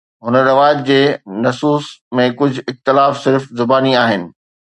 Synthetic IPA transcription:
ɦʊnəɾɪʋaːjət̪̚d͡ʑeːnɐsuːsmẽkʊd͡ʑʱʊɪxt̪ɪlaːfsɪɾfzʊbaːniaːɦɪnɪ̆

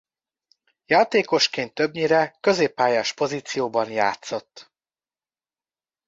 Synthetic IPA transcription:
jaːt̪eːko̞ʃkeːnt̪ːøbɲiɾɛkø̞zeːpːaːjaːʃpo̞ziːt̪sijoːbɒnja̰ːt̪so̞t̪ː

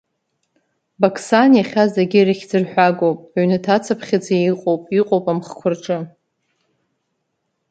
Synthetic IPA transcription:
bakʰsanjaχʲazdaɡʲiɾiχʲdɨrħʷᶣaɡowpʼaɥnɨtʰat͡sʰapʰχʲad͡zaiqʼowpʼiqʼowpʼamχkʷʰʊrʈ͡ʂʼɨ

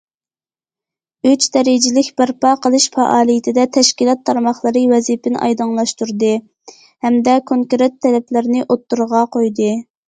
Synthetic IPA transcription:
yt͡ʃd̪ɛɾɪd͡ʒilɪkʲbæɾpɑqəlˠɨʃfɑʔɑːlˠijit̪ʰɪd̪ɛt̪ʰɛʃkʲilˠɑt̪ʰːɑɾmɑχlˠəɾɨwɛzipɪnʔɑ̰jd̪ɨŋlˠɑʃt̪uɾd̪ɨ | hɛmd̪ɛkʰoŋkɾet̪ʰːɛlɛplɪɾnɪʔot̪ːuɾʁɑqojd̪ɨ

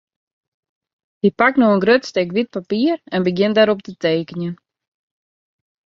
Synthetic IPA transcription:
hipaknɔxənɡrøtstekʋit̚papiːərɛnbəɡjɪndaɾɔp̚təteːkənjən

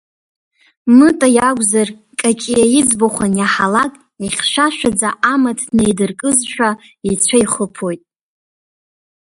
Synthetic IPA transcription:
mɨtʼajaɡʷʼzar | kʼakʲʼijajid͡zboχʷanjaħalakʼ | iχʲʃʷaʃᶣad͡zaʔamatʰdnejdɨrkʼɨzʃᶣa | it͡sʷʰaiχəpʰojtʼ

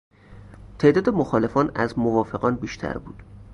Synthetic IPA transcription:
t̪ʰeʔd̪ɒːd̪emoxɒːle̞fɒːnæzmovɒːfe̞ɣɒːnbiːʃt̪ʰæ̰ɾbṵːd̪̥

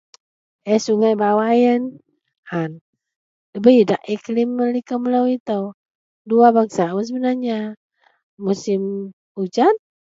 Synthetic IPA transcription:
ɛsuŋajbawajən | han | əbəidaʔiklimːəlikəməlawit̪əw | duabaŋsawəns̬əbənarɲa | musɪm | ud͡ʒan̚

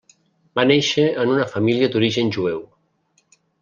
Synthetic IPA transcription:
baneʃəənunəfəmilijəd̪uɾiʒənʲʒuɛw

